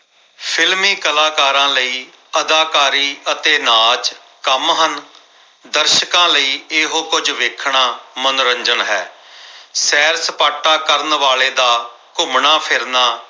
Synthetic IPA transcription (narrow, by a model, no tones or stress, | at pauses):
pʰɪlmiːkəlaːkaːɾãːləiː | əd̪aːkaːɾiːət̪eːnaːd͡ʒ | kəmɦən | d̪əɾʃkãːləiːeɦoːkʊd͡ʒʋɪkʰɳaːmənɾəɲd͡ʒənɦɛː | sɛːɾsəpaːʈːaːkəɾnʋaːɭeːd̪aː | kʊmnaːpʰɪɾnaː